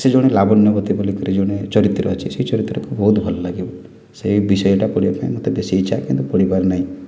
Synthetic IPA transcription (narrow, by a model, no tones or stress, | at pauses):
sed͡ʒoɽ̃elabɔnjɔbɔt̪ibɔlikɔɾed͡ʒoɽ̃et͡ʃɔɾit̪ːɾɔ̰ːt͡ʃʰiseɦit͡ʃɔɾit̪ːɔɾɔkubɔɦut̪bʱɔlɔlaɡibɔ | seibisɔjɔʈapɔɽibapaĩmot̪ebesiejt͡ʃʰakint̪upɔɽibaɾenaɦĩ